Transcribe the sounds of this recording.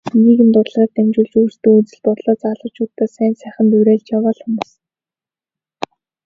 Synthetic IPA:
nɡiːɣɘ̆nt̪ʊrɮʁaːt̪ːæmt͡ɕuːɮt͡ɕuːr̥st̪ɵ̆ːut͡sɘ̆ɮt̪ʊrɮɔːt͡saːɮə̆t͡ɕuːt̪ːaːsæːnsæːχə̆nt̪uɾæːɮt͡ɕjawaːɮxumʊːs

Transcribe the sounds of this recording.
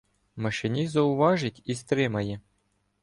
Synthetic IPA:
mɐʃɪnʲizɐʊʋɑʒɪtʲist̪ɾɪmɐjɛ

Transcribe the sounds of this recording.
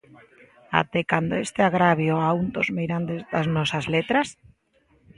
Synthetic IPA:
a̰t̪ɛkand̪oest̪eaɣɾaβjoaund̪ozmejɾand̪ezðaznɔsazlet̪ɾas

